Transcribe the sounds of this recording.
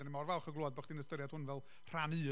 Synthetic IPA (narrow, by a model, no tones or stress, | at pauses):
ənimɔrvɛlˠχəɡloːɔd̚baχd̥iːnəstəɾjad̥hʊnvɛlˠ | r̥anɨː